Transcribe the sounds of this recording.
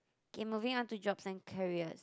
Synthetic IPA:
kẽmːuvɪ̃ŋɔ̃ntud͡ʒɔbsɛ̃nkʰəɹiəs

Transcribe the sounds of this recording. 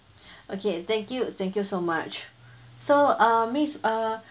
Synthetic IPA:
ʔokʰet̪ɛ̃ŋkjut̪ɛ̃ŋkjusomat͡ʃ | soamisa

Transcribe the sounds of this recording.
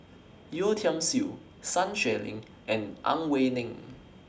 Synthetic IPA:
jutʰə̃msi | sãnʃɛlɪ̰̃ŋ | ʔɛ̃nʔã̰nwenɪ̃ŋ

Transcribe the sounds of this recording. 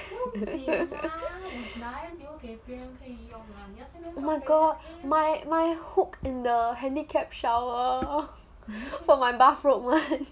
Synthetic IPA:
maɪɡɔtmajmajhukɪ̃ndəhɛ̃ndikʰɛp̚ʃawə | fɔmajbafɹotmãn

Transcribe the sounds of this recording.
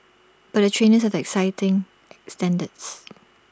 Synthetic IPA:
b̥at̚dətʰɹẽnəsadɛksaɪtɪ̃ŋ | ʔɛkstɛ̃ndəds

